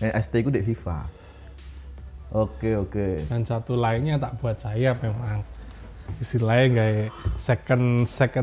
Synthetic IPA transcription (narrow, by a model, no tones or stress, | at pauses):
ɛnɛst̪ekudeʔfifa̰ | ʔokeokeŋant͡ʃat̪ulainɲat̪aʔb̥ṳat̪̚sajamemaŋ | isilaeŋɡaesekənsekə